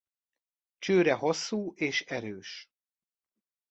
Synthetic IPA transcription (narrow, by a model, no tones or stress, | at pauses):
t͡ʃøːɾɛɦo̞sːuːʔeːʃɛɾøːʃ